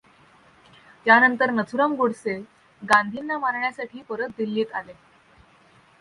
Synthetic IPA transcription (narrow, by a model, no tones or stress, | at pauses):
t̪janənt̪əɾnət͡sʰuɾəŋɡoɽse | ɡãnd̪ʱinːamaɾɳjasaʈʰiːpəɾət̪̚d̪ilːiːt̪ale